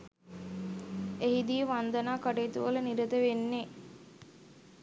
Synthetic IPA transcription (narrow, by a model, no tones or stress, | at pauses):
eɦid̪iəʋand̪ənaːkaʈeːt̪uʋələniɾəd̪əʋenːe